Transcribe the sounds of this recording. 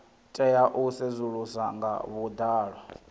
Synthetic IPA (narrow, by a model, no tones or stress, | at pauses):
tʼɛjaʔusezuɺusaŋɡa̰βud̪aːɺwa